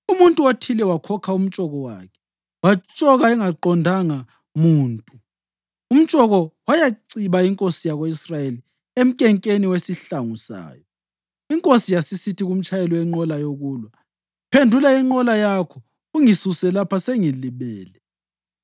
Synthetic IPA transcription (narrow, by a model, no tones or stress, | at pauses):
umuntʼuotʰilɛwakʰɔkʰaum̩t͡ʃʼɔɣɔwa̰ːkʰɛ̥ | wat͡ʃʼɔɣaɛŋaǃɔndʱaŋa | muːntʼu | um̩t͡ʃʼɔɣɔwajaǀiβaiŋkʼosijaɣoisrajeli | em̩kʼɛŋkʼeniwesiɬaŋusa̰ːjɔ | iŋkʼosijasisitʰiɣum̩t͡ʃʰʼajɛlɔwɛŋ͡ǃɔlajoɣuːlwa | pʰendʱulaiŋ͡ǃɔlajakʰɔ | uŋisusɛlapʰaseŋiliβɛːlɛ